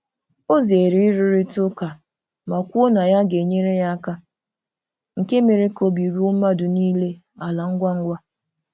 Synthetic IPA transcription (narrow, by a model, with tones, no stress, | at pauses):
o˦ze˨ɾi˦ɾi˦ɾi˦tʊ˦ka˨ | ma˨kʷu˦o˦na˨ja˦ɡe˨ɲe˦ɾe˦ja˦ka˦ | ŋ̩˨ke˦me˨ɾe˦ko˦bi˨ɾu˦ʊ˦ma˦dʊ˨niː˦le˦ | a˨la˨ŋ̩˦ɡʷa˦ŋ̩˦ɡʷa˦